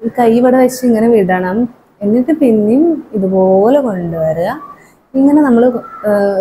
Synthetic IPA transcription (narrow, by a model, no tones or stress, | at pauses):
iːkɐjːiʋɐɽeʋɐt͡ɕːɐiŋːɐneʋiɽɐɳɐm | e̞nːiʈːɨpinːijumiðupoːleko̞ɳɖuʋɐɾuɣɐ | iŋːɐne̞nɐmːɐɭ